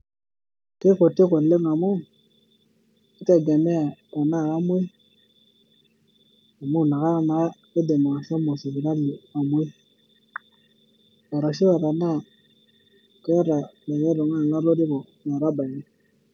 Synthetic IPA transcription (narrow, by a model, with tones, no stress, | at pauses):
te˦ko˨ti˦ko˨le˦ŋa˨mu˦ | i˦ta˦ɡa˨me˦a˨a˨na˦˨ka˦mu˦i˦ | a˨mu˦˨na˨ka˦a˦na˨a˦ke˦de˨mo˨a˨ʃa˦mo˨si˨bi˨ɾa˦li˨a˨mu˦i˦ | a˨ɾa˨ʃi˦wa˨ɾa˨na˦˨ | ke˦ja˦ɾa˨la˨je˦ɾo˨ŋa˦˨ŋɡa˦ɾo˦di˦ko˨ | na˨ɾa˦ba˨ji˦